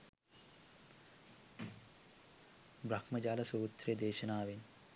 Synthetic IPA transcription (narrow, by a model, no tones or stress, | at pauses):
bɾɐkmɐd͡ʒaːlɐsuːt̪ɾejɐd̪eːʃɐnaːʋin